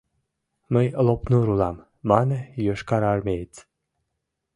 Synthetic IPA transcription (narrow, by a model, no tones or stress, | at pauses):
məjlˠopnuɾulɑmː | ɑnəjøʃkɑɾɑrmʲejt͡s